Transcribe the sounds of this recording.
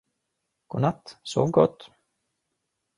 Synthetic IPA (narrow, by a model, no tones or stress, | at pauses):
ɡ̥onat̪ːso̰ːvɡɔt̪ː